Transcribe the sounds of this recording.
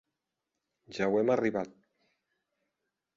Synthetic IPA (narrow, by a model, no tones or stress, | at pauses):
ʒawɛmariβat̪̚